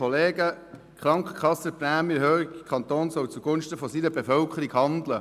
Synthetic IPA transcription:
ɔleːɡə | kʰχɾɑŋkχəkʰχɑsəpræːmjəɦøːɾiɡkʰɑnt̪oːnsɔwt͡suɡ̥ʊnʃtəfɔsiːnəbefœlkχəɾiɡhɑnd̪lə

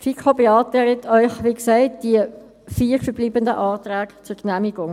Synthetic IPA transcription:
fʰikʰobeɑːtɛɾətʰœʏxʋiksɛɪt̚d̥iə | fiːɾfəbliːbəndəʔɑːtɾæːkt͡sʊɹknæmiɡ̥ʊŋ

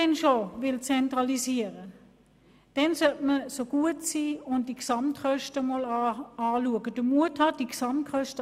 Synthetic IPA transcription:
ɛnʃoʋɪlt͡sɛntʁɑlisiəʁə | d̥ɛnsœtməsoɡ̥uətsiːʊnt̚d̥iksɑmtχœʃtəmɔlɑɑːluəɡəd̥əmuəthɑd̥iksɑmtkχœʃtə

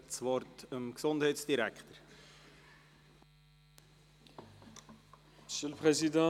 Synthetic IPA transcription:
t͡sʋɔrtəmksondɦɛɪtsd̥iɾækχtəɾ | msølpχezid̪ɑ̃

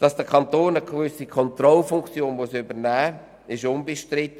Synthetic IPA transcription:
d̥ɑsd̥əkʰɑnt̪oːnəɡvʏsikʰɔntrɔlfʊŋkt͡sjoːnmusybəɾnɛː | ɪʃʊnbəʃtɾɪt̪ː

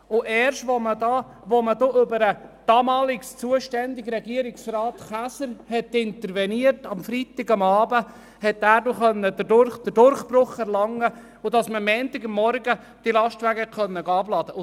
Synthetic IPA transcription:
ʊʔɛːɾʃtʋomədɑ | ʋomədoʔʏbəɾəd̥ɑmɑːlɪkst͡suəʃtɛnd̪ɪɡɾɛɡiəɾɪksrɑːt̪χæsəɾhɛtɪntəɾvɛniətɑmfɾit̪ɪɡɑmɑːbə | hɛt̪ːæːɾdoχœnːədədʊɾd̥əɾdʊɾχb̥ɾʊχɛɾlɑŋːə | ʊdɑsməmɛːnt̪ɪɡɑmːɔɾɡə | d̥ilɑʃtʋæɡɛkχœnːəɡɑːblɑːd̥̪ə

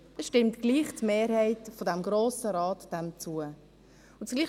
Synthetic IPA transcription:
ɛsʃtɪmtɡ̥liːχtmeːɾhɛɪtfodɛmɡɾoːsəɾɑːtd̥ɛmt͡suə | ʊnt͡sɡ̥liː

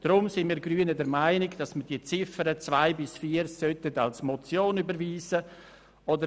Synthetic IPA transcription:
d̥ɾʊmsɪnmiːɾɡɾyːənədɛɾmaɪnɪɡd̥ɑsməd̥iːət͡sɪfəɾət͡svaɪbɪsfiːəɾsœtətalsmɔt͡sjoːnybəɾviːsə | ɔdə

